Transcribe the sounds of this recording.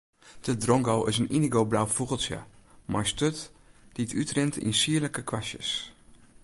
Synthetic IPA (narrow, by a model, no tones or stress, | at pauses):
d̥ədrɔŋɡowʔɪsəniniɡowblawfuɣəlˠsjə̰majstøtd̥iətʰytrɪntɪ̰nsiələkəkʋasjə̰s